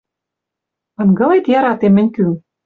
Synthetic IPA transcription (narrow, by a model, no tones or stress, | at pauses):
ɤ̆nɡɤ̆let̪jɑɾɑt̪emːɘ̆nʲky